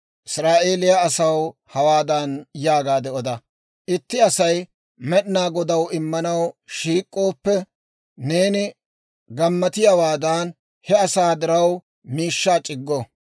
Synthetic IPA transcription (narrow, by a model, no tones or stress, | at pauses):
ʔɪsɾaːʔe̞ːlɪjaːsɐwhɐwaːd̪anjaːɡaːd̪ɛɔd̪ɐ | ʔɪt̪ːɪɐsɐj | mɛɗnaːɡɔd̪ɐwɪmːɐnɐwʃiːkʼːo̞ːpːɛ | ne̞ːnɪ | ɡɐmːɐt̪ɪjɐwaːd̪aːn | hɛɐsaːd̪ɪɾɐw | miːʃːaːt͡ʃʼɪɡːo